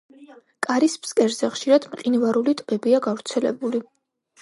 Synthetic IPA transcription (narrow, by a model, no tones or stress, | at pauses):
kʼaɾispskʼɛɾzɛχʃiɾad̪̥mqʼinvaɾulit̪ʼbɛbiaɡavɾt̪sʰɛlɛ̰buli